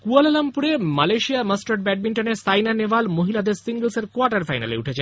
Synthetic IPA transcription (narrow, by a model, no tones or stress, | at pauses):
kualalampuɾemalajʃiaməsʈoʈ̚bɛɖ̚biɳʈoneɾsajnanebalmoɦilad̪eɾsiŋɡəlseɾkoaɾʈaɾfajna̰lḛuʈʰet͡ɕʰe